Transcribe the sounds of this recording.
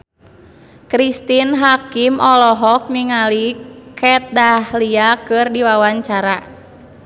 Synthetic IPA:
kɾist̪inɦakimʔɔlɔɦɔk̚niŋalikʰɛt̪̚dahliakɨrdiwawaɲt͡ʃaɾa

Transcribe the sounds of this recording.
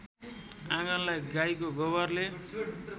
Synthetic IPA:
ãɡʌnlajɡajkoɡʌbʌrle

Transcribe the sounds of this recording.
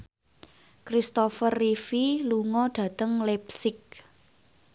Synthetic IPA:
kɾist̪ɔfərːifiluŋɔɖ̥ä̤t̪əŋlɛp̚sɪk̚

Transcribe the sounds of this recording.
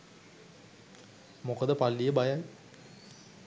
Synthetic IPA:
mokəd̪əpalːijəbajaj

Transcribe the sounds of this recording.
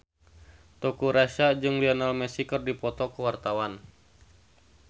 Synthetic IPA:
t̪ɔkuɾaʃad͡ʒɨŋlianalmɛsikərdipɔt̪ɔkuwart̪awan

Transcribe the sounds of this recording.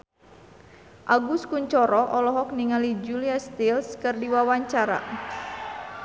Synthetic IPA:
ʔaɡuskuɲt͡ʃɔɾɔʔɔlɔɦɔk̚niŋalid͡ʒuliast̪ilskɨrdiwawaɲt͡ʃaɾa̰

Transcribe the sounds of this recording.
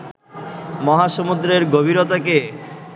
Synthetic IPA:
mɔɦaʃomud̪ɾeɾɡobʱiɾot̪ake

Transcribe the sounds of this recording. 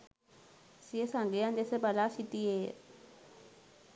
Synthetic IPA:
siɛsaŋɡɛjandʼɛsɛbalasitʼijɛː

